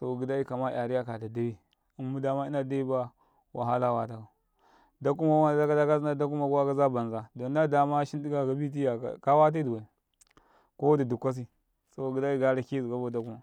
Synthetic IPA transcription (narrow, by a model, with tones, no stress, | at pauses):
so˨ɡi˨da˦i˦ka˨ma̰˦˨a˨ɾi˦ja˦ka˨da˨da˦wi˦ | i˨mːu˦da˨ma˦i˦na˨da˦i˦ba˦ | wʔa˨ɦa˦la˦wa˨ta˨ka˨ | da˦ku˦ma˨ɡu˦a˦a˨da˦ka˦da˦ka˦zna˦da˦k̬u˦ma˨ɡu˦wa˦ka˦za˦ba˨nza˨do˨n˦da˦da˨ma˦ʃi˦ndi˦ka˨ɡa˨bi˦t̬i˦ja̰˨ka˦wa˦t̬a˦du˨wa˨ | ko˦wda˨du˨kʷːa˦s̬i˨ | so˦˨ɡi˨da˦i˦ɡa˦ɾa˨ki˦zu˨ɡa˦bo˦˨da˦ku˦ma˨